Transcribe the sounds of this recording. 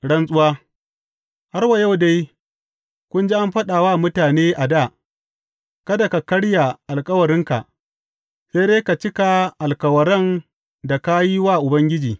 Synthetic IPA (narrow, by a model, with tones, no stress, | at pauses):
ɽɐ˦nsʼʊ˦waː˦ | ha˦ɾwa˨ja˦wda˦j | kʷʊ˦nd͡ʒi˦ʔa˦mɸɐ˦ɗa˨waː˦˨mʊ˦taː˨neː˦ʔa˨da˦˨ | kɐ˦da˨ka˨kɐ˦ɽja˨ʔa˨lkʼɐ˦wɐ˨ɾɪ˦ŋka̰˨ʔ | se˦jdeː˦ka˨t͡ʃɪ˦ka˨ʔa˨lkɐ˨wɐ˨ɽɐ˦˨n | da˨ka˦ji˦waː˦˨ʔʊ˨bɐ˦ŋɡʲɪ˦d͡ʒiː˨